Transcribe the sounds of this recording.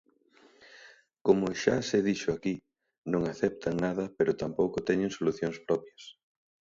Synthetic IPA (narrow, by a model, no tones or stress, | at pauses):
komʊʃaseðiʃʊaki | nõŋaθɛp̚t̪ʰɐŋnað̞ɐpeɾʊt̪ampowkʊt̪ɛɲeŋsoluθjoŋspɾɔpjɐs